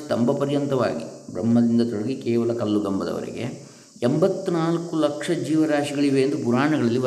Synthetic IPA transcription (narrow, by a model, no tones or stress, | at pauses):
t̪ɐmbɐpɐɾjɐnt̪ɐʋa̰ːɡḭbɾɐmːɐd̪ind̪ɐt̪ɔɽɐɡikɛːʋɐlɐkɐlːuɡɐmbɐd̪ɐ̰ʋɐ̰ɾɛ̰ɡe̞̰ | embɐt̪ːunaːlkulɐkʂɐd͡ʒiːʋɐɾaːʃiɡɐɭiʋeːnd̪upuɾaːɳɐɡɐɭɐlːiʋɐ